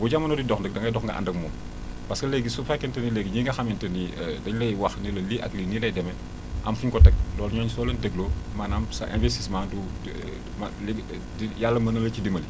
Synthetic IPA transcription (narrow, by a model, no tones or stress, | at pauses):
ɡuɟamɐnodidɔxndək̚dɐŋɡɐjdɔxŋɡɐ̰ʔa̰ndɐkmɔːm | paskɐleɡisufakːɛntɐnileːɡiɲiŋɡɐxamintɐnidɐɲlɐjwaxnilɐliʔa̰klinilɐjdɛmɛ | ʔamfuɲkɔtɐk̚lɔːɾɲɔːɲsɔːlɐndəɡlomaːnamsɐ̰ʔḛ̃nvestismãːdu | mliɡ | dijalːɐmɐnɐlɐcidimɐli